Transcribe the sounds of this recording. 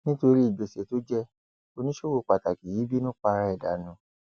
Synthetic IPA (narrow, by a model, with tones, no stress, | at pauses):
nĩ˦to˧ɾi˦i˨ɡ͡be˨se˨to˦d͡ʒɛ˦ | o˧nĩ˦ʃo˦wo˧˨k͡pa˨ta˨ki˨ji˨˦bi˦nũ˦k͡pa˧ɾa˧˦ɛ˦˨da̰˨nũ˨˦